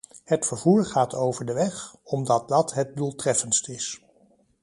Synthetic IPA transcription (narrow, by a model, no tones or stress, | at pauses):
hətfəɹv̥uːɹχaːtʰowvəɹdəʋɛχɔmdɑt̚dɑtɦət̚dulˠtrɛfənstɪs